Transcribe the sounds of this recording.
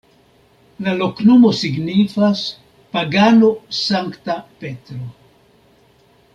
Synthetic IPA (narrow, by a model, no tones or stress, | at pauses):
lalo̞kno̞mo̞siɡnifas | paɡano̞saŋktape̞tɾo